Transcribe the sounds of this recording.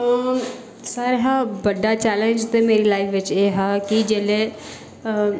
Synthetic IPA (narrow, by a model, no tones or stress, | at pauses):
saɾɦaːbəɖaːt͡ʃɛːlə̃nd͡ʒt̪eːmeːɾiːlaːɪfʰʋɪt͡ʃeːɦaːkid͡ʒeːleː